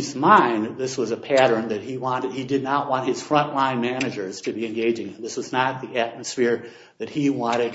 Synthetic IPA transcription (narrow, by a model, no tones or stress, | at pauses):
zmãɪ̃nt̪̚ðɪswʌzəpʰæɾə̃˞nðɨt̚hiwɑ̃nɨd̚idɨdⁿnət̚wɑ̃nt̚hɨz̥fɹʌ̃nʔlãɪ̃nmænɨd͡ʒə˞z̥tʰɨbiɨ̃nɡeɪd͡ʒɪ̃ŋɨ̃nðɪswʌznət̪̚ðiæt̚mɨsfɪɹ | ðɨt̚hiwɑ̃ñɨd̚